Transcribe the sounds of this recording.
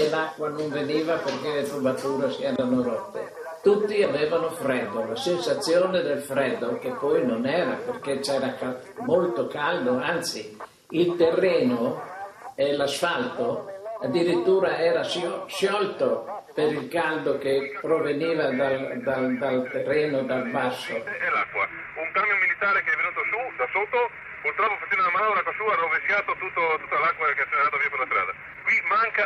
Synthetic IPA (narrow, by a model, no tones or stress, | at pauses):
elakːwanoɱveniːvaperkelet̪ubat̪uːɾosɛːɾanoɾot̪ːḛ | t̪ut̪ːiavɛːvanofɾɛd̪ːolasensat̪sːjoːned̪elfɾɛd̪ːok̟epːɔjnonɛːɾaperk̟et͡ʃɛːɾaka | molt̪okald̪oant̪si | ilt̪erːeːno | elasfalt̪oad̪ːiɾit̪ːuːɾaɛːɾasʃjɔlt̪opeɾilkald̪ok̟epɾoveniːvad̪ald̪ald̪alt̪erːɛːnod̪albasːoɛlakːwa̰ | uŋkaɾmjomilit̪aːɾekeɛvːenuːt̪osud̪asot̪ːo | puɾt̪ɾɔpːofat͡ʃɛnd̪olamanlakːwasuːanovesjat̪ot̪ut̪ːot̪ut̪ːalakːwakeɛt͡ʃːeneɾaːt̪oviopeɾlast̪ɾa̰ːd̪a | kwimaŋka